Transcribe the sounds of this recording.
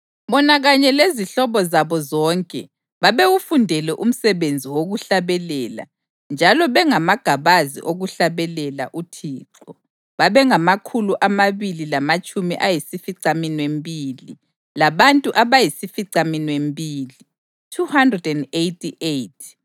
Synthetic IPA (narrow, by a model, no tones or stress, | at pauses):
βɔnaɣaɲɛleziɬɔβɔzaβɔzɔːŋkʼɛ̰ | βaβeɣufundʱɛlɛʔum̩sɛβend͡zʱiwoɣuɬaβɛlɛːla̰ | nd͡ʒʱalɔβɛŋamaɡ̥ʱaβazḭʔoɣuɬaβɛlɛla̰ʔutʰiːǁɔ | βaβɛŋamakʰuluʔamaβililamat͡ʃʼumiʔajisifiǀaminwembʱili | laβantʼuʔaβajisifiǀaminwembʱiːli | tʰuhandrɛdɛndejtʰʼiʔejtʰ